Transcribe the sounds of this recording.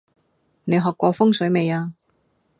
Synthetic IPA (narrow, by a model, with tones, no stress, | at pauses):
ne˨˧jɦɔː˨˩kːʷɔː˧fʊ˥ŋsɵ˨˥ɥme˨˧jaː˧